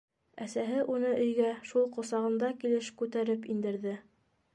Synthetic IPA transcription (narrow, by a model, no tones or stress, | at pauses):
æsæɦɘʔunɤʔɵ̆jɡæʃulˠqŏsɑʁɤ̆nd̪ɑkilɘʃkʉt̪æɾɘpind̪ɘ̆ɾðɘ